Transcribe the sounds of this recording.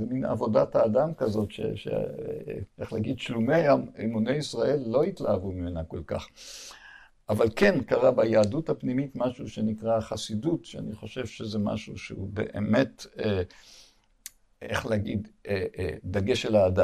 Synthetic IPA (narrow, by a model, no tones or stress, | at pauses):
zemina̰vo̞dathaːdamkazo̞tʃḛʃḛ | ʔeχleaɡidʃlumeajamimunejisʁae̞lːo̞itlaavumimenako̞lka̰χ | avalke̞nkaʁabajaːduthapnimitmaʃuʃe̞nikʁaχasidutʃea̰niχo̞ʃe̞vʃezema̰ʃuʃḛubḛʔḛme̞te | eχleaɡid̪ | d̪aɡeʃelaːda